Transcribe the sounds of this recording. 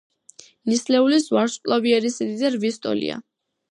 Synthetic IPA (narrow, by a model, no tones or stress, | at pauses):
nislɛulisvaɾspʼlˠɔbiɛɾisid̪id̪aɾvist̪ʼɔ̰lḭa̰